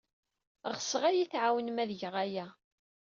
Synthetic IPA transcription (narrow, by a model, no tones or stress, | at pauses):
ʁəsəʁæjiθʕawənmæðʝəʁæjæ